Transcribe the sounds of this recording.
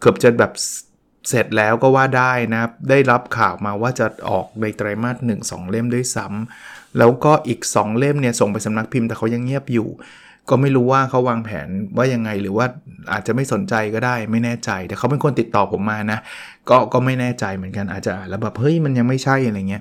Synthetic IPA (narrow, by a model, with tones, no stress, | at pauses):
kʰɤː˨˩p̚t͡ɕa˨˩bɛː˨˩p̚ | se˨˩t̪̚lɛː˦˥wkɔː˥˩waː˥˩daː˥˩jna˦kʰa˥p̚daː˥˩jɾa˦˥p̚kʰaː˨˩wmaː˧waː˥˩t͡ɕa˨˩ʔɔ̰ː˨˩k̚na˧jt̪ɾaː˧jmaː˥˩t̪̚nɯ˨˩ŋsɔ̰ː˩˦ŋle˥˩mdu˥˩jsa˦˥mlɛː˦˥wkɔː˥˩ʔiː˨˩k̚sɔ̰ː˩˦ŋle˥˩mni˥˩ɐso˨˩ŋpa˧jsa˨˦mna˦˥k̚pʰi˧mt̪ɛː˨˩a˦˥wja˧ŋːi˥˩əp̚jṵː˨˩ | kɔː˥˩ma˥˩jɾuː˦˥waː˥˩kʰa˦˥waː˧ŋpʰɛ̰ː˩˦nwaː˥˩ja˧ŋːa˧jɾɯː˩˦waː˥˩ʔaː˨˩t̪̚t͡ɕa˨˩ma˥˩jso˩˦nt͡ɕa˧jkɔː˥˩daː˥˩jma˥˩jnɛː˥˩t͡ɕa˧jt̪ɛː˨˩kʰa˦˥wpe˧nkʰo˧nt̪i˨˩t̪ːɔː˨˩pʰo˩˦mːaː˧na˦˥ | kɔː˥˩kɔː˥˩ma˥˩jnɛː˥˩t͡ɕa˧jmɯ˩˦ənka˧nʔa̰ː˨˩t̪̚t͡ɕa˨˩ʔaː˨˩nlɛː˦˥wbɛː˨˩p̚hɤ˦˥jma˧nja˧ŋma˥˩jt͡ɕʰa˥˩jʔa˧ɾa˧jŋi˦˥ə